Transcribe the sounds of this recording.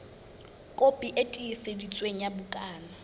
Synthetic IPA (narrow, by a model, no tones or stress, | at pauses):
kʼopʼiʔetʼiisedit͡sʼweŋ̩jabʊkʼaːna